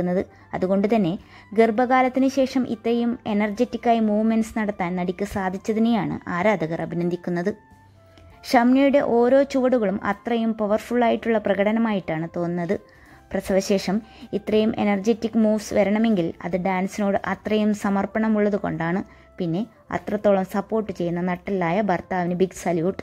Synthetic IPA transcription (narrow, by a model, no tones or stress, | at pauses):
unːɐðɨ | ɐ̰ðuɣo̞ɳɖɨt̪ɐnːe̞ | ɡirbɐɣaːlɐt̪ːinɨɕe̞ːʂɐmʔḭt̪rɐjume̞nɐrd͡ʑetːikʲːaːjimuːʋme̞nsnɐɽɐt̪ːaːnnɐɽikʲːɨsaːd̪ʱit͡ɕːɐðinejaːɳɨ̰ʔaːɾaːd̪ʱɐɣɐrʔɐbʱinɐnd̪ʱikʲːunːɐðɨ | ʂɐmnɐjuɽe̞ʔo̞ːɾo̞ːt͡ɕuʋɐɽuɣɐɭumʔɐ̰t̪rɐjumpɐʋɐrfuɭːaːjiʈːuɭːɐprɐɣɐɽɐnɐmaːjiʈːaːɳɨt̪o̞ːnɨnːɐðɨ | prɐsɐðɐɕe̞ːʂɐmit̪rɐjumʔe̞̰nɐrd͡ʑe̞tːikːɨmuːʋsʋɐɾɐɳɐme̞ŋɡilɐ̰ðɨɖaːnsino̞ːɽɨʔɐt̪rɐjumsɐmɐrpɐɳɐmuɭːɐðuko̞̰ɳɖaːɳɨ | pinːe̞ | ɐ̰t̪rɐt̪ːo̞ːɭɐmsɐpːo̞ːrʈːɨt͡ɕe̞jːunːɐnɐʈːɐlːaːjɐbʱɐrt̪aːʋinɨbiɡsɐljuːʈ